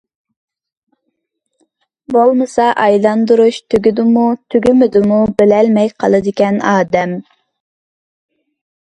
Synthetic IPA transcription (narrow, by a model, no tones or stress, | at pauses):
bolˠmɨsɑʔɑjlˠɑnd̪uɾuʃt̪ʰyɡʲyd̪ʊmut̪ʰyɡʲymɪd̪ʊmubɪlɛlmɛjqʰɑ̰lˠɨd̪ɪkʲɛnɑːd̪ɛm